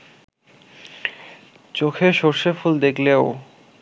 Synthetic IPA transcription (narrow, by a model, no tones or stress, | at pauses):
t͡ɕokʰeʃoɾʃefuld̪ekʰleo